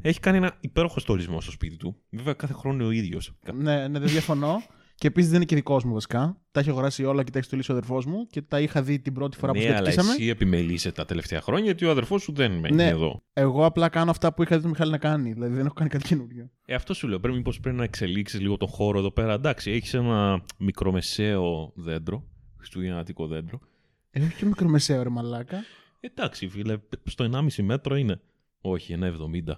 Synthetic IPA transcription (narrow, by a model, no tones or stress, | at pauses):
eçi̥kɐnienɐipe̞ɾoxo̞st̪olizmo̞st̪ospit̪it̪uveveɐkɐθe̞xɾo̞nio̞iðʝosɐne̞neðeðʝɐfono̞ | ce̞ːpisizðeninecðiko̞zmuvɐsi̥kɐt̪ɐiçɐɣoɾɐsio̞lɐcet̪çst̪olisioɐðeɾfo̞zmuce̞t̪ɐixɐðit̪ibɾo̞t̪i̥fo̞ɾɐpueseɐlsɐmesiepime̞liseet̪ɐt̪e̞left̪eɐ̰xɾo̞ɲɐjɐt̪ioɐðeɾfo̞suðenmeneeðo̞̰eɣo̞ɐplɐkɐnoɐft̪ɐpuixɐðit̪omixɐlinɐkɐniðilɐðiðenexokɐnikɐt̪i̥cenuɾʝo | eɐft̪o̞sule̞opɾeimipo̞spɾepinɐekse̞liksizliɣo̞t̪õ̞xo̞ɾo̞eðo̞pe̞ɾɐd̪ɐksieçi̥senɐmikɾo̞me̞seoðe̞nd̪ɾo̞xɾi̥st̪uʝenɐt̪iko̞ðe̞nd̪ɾo̞ | eeço̥cemikɾo̞me̞seoɾemɐlɐkɐ | ed̪ɐksivilɐst̪o̞enɐmisime̞t̪ɾo̞ine̞ | o̞çienɐevðo̞mind̪ɐ